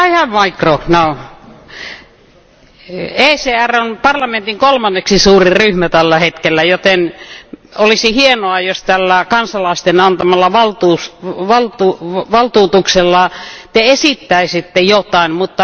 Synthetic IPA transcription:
ɑihæʋmɑikrohno | eːseːæronpɑrlɑment̪iŋkolmɑnːeksisuːriryhmæt̪ælːæhet̪kelːæjot̪en | olisihienoɑjost̪ælːækɑnsɑlɑist̪enɑnt̪ɑmɑlːɑʋɑlt̪uːsʋɑlt̪uʋɑlt̪uːt̪ukselːɑt̪eesit̪ːæisit̪ːejot̪ɑimmut̪ːɑ

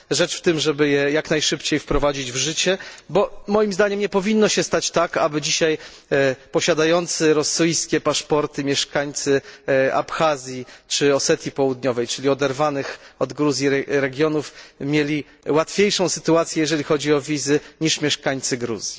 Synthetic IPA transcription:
ʐɛt͡ʂft̪ɘmʐɛbɘjɛjaknajʂɘpt͡ɕejfpɾɔvad͡ʑid͡ʑvʐɘt͡ɕɛbɔmɔjimzd̪aɲɛmɲɛpɔvʲinːɔɕɛst̪at͡ɕt̪aka̰bɘd͡ʑiɕaj | pɔɕad̪ajɔnt̪sɘɾɔsɘjskʲɛpaʂpɔɾt̪ɘmʲjɛʂkaɲt̪sɘa̰pxazʲjit͡ʂɘɔsɛt̪ʲjipɔwud̪ɲɔvɛjt͡ʂɘlʲiɔd̪ɛɾvanɘxɔd̪ɡɾuzʲjiɾɛɡʲjɔnufmʲjelʲi | wat̪fʲjejʂɔ̃w̃sɘt̪uat̪sʲjɛjɛʐɛlʲixɔd͡ʑiɔvʲizɘɲiʂmʲjɛʂkaɲt̪sɘɡɾṵz̥ʲji

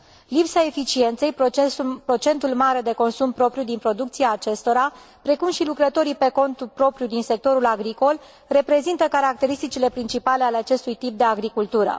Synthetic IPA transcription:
lipsae̞fit͡ʃie̞nt̪se̞jpɾo̞t͡ʃe̞nt̪ulmaɾe̞d̪e̞ko̞nsumpɾo̞pɾjud̪inpɾo̞d̪ukt̪siaːt͡ʃe̞st̪o̞ɾa | pɾe̞kumʃilukɾət̪o̞ɾipe̞ko̞nt̪upɾo̞pɾjud̪inse̞k̚t̪o̞ɾulaɡɾiko̞l | re̞pɾe̞zint̪əkaɾak̚t̪e̞ɾist̪it͡ʃile̞pɾint͡ʃipale̞aleat͡ʃe̞st̪ujt̪ip̚d̪e̞aɡɾikult̪uɾə̰

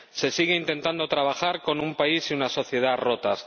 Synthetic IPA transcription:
se̞siɣ̞eint̪ẽ̞nt̪and̪o̞t̪ɾaβ̞axaɾko̞numpaisiunaso̞θje̞ð̞arot̪as

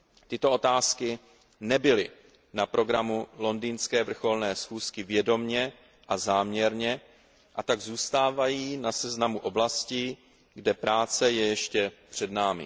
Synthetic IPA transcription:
t̪ɪt̪o̞ʔo̞t̪aːskɪ | nɛbɪlɪ | napɾʔo̞ɡɾamulo̞ndiːnskɛːvr̩xo̞lnɛːsxuːskɪvjɛdo̞mɲɛ | ʔazaːmɲɛɾɲɛ | ʔat̪aɡzuːst̪aːvajiːnasɛznamuʔo̞blasciː | ɡdɛpɾaːt͡sɛjɛjɛʃcɛpr̝̥ɛdnaːmɪ̰

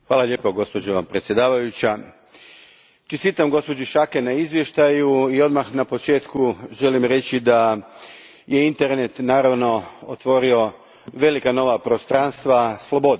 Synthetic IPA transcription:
xʋaːlaʎeːpoɡo̞spo̞d͡ʑo̞pɾet̪sjed̪aːʋajut͡ɕa | t͡ʃest̪it̪amɡo̞spo̞d͡ʑiʃakenaizʋje̞ʃt̪ajuio̞d̪maxnapot͡ʃe̞ːt̪kuʒe̞limɾe̞t͡ɕid̪a | je̞int̪e̞ɾne̞t̪naːɾaʋno̞ot̪ʋo̞ɾio̞ | ʋe̞likano̞ʋapɾo̞st̪ɾanst̪ʋaslˠo̞bo̞d̪

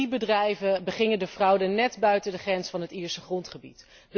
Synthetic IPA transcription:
ibədrɛjvəbəχɪŋədəvrɑwdənɛdbœɥtədəχrɛnsfɑnɦətɪːɹsəχrɔntχəbḭt | d

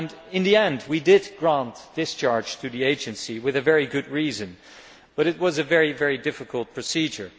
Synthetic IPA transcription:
nɨ̃nðiɛ̃ndwidɪd̚ɡɹæ̃ntð̥ɪst͡ʃʰɑɹd̥d͡ʒ̥tʰɨðieɪd͡ʒɨ̃nsiwɨðɨvɛɹiɡʊd̚ɹizɨ̃n | b̥ʌɾɨt̚wʌzɨvɛɹivɛɹidɪfɨkʰəlˠt̚pʰɹ̥ɨsid͡ʒə˞

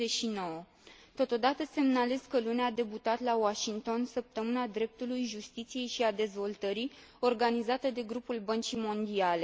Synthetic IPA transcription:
eʃino̞wə | t̪o̞t̪o̞d̪at̪əse̞mnale̞zkəlunead̪e̞but̪at̪lawaʃiŋt̪o̞nsəp̚t̪əmɨnad̪ɾe̞p̚t̪ulujʒust̪it̪sije̞jʃiad̪e̞zvo̞lt̪əɾi | o̞rɡanizat̪əd̪e̞ɡɾupulbənt͡ʃimo̞nd̪iale

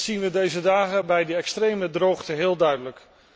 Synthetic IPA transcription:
z̥inʋədejzədaːχəbɛjdəɛkstrejmədrowχtəɦɪːlˠdœɥdələk

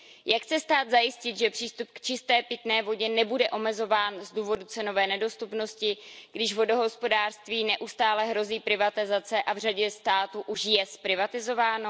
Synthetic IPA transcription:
jakxt͡sɛst̪aːd̪zajɪscɪt̪ʒɛpr̥iːst̪upkt͡ʃɪst̪ɛːpɪt̪nɛːvo̞ɟɛnɛbudɛʔo̞mɛzo̞vaːnzduːvo̞dut͡sɛno̞vɛːnɛdo̞st̪upno̞scɪɡdɪʒvo̞do̞ɦospo̞daːr̥st̪viːnɛʔust̪aːlɛɦɾo̞ziːpɾɪvat̪ɪzat͡sɛʔavr̝aɟɛst̪aːt̪uʔuʃjɛspɾɪvat̪ɪzo̞vaːno

